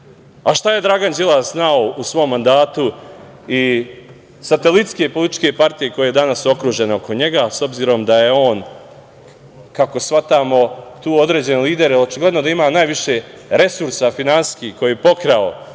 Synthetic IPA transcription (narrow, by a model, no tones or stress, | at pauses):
aʃt̪aje̞d̪ɾaɡand͡ʒilˠaznaousʋo̞mːand̪aːt̪u | i | sat̪elit̪ske̞polit̪i̥t͡ʃke̞paɾt̪ije̞ko̞jejed̪anasuo̞kɾuːʒe̞neo̞ko̞ɲe̞ɡaso̞bziːɾo̞md̪aje̞o̞ːn | kako̞sʋat̪aːmo̞t̪uːo̞d̪ɾe̞ːd͡ʑe̞neliːd̪e̞ɾelo̞t͡ʃiɡle̞d̪no̞d̪aimaːnaːjʋiʃe̞ | ɾe̞suɾsafinanskiko̞jepo̞kɾao